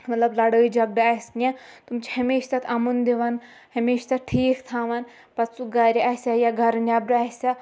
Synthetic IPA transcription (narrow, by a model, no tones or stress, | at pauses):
mɐt̪lɐblɐɽəːjd͡ʒɐɡ̚ɖasʲãt̪umt͡ʃʰihɐmeːʃt̪ɐt̪ʰɐmund̪eʋɐn | hɐmeːʃt̪aʈʰiːkt̪ʰaːʋɐn | pɐt̪suɡaːɾʲiaːsʲajaɡʱɐɾnʲaːbɾaːɦsʲa